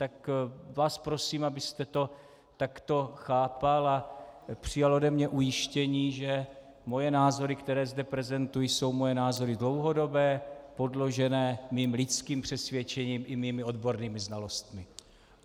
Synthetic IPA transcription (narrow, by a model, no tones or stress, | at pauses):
t̪akvaːspɾo̞siːmabɪst̪ɛt̪o̞ | t̪akt̪o̞xaːpalapr̝̥ɪjalodɛmɲɛʔujɪʃcɛɲiːʒɛ | mo̞jɛnaːzo̞ɾɪkt̪ɛɾɛːzdɛpɾɛzɛnt̪ujiso̞wmo̞jɛnaːzo̞ɾɪdlo̞wɦo̞do̞bɛːpo̞dlo̞ʒɛnɛːmiːmlɪt͡skiːmpr̝̥ɛsvjɛt͡ʃɛɲiːmʔɪmiːmɪo̞d̪bo̞ɾniːmɪznalo̞st̪mɪ